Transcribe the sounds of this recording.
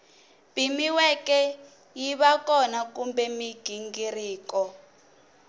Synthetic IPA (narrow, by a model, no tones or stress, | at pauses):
pimiwɛkɛ | jiβakɔnakumbɛmiɡ̥ʱiŋɡiriːkɔ